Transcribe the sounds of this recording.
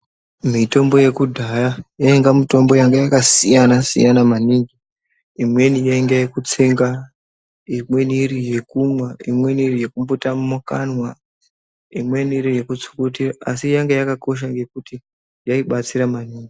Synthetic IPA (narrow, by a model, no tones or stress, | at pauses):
mito̞mbo̞je̞kudʱajajaeŋɡamito̞mbo̞jaŋɡejakasijanasḭjanamaniŋɡi | imwe̞nijaiŋɡajekut͡seŋɡa | imwe̞nirije̞kumwaimwe̞nirije̞kumbotammokanwa | imwe̞niɾije̞kut͡su̥kotiraasijaŋɡejakako̞ʃ̬aŋɡe̞kuti | jaiɓat͡siɾamaniːŋɡi